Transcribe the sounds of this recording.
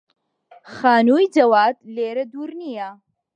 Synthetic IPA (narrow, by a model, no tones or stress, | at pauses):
xaːnuːjd͡ʒɐwaːt̪leːɾɐd̪uːɾnija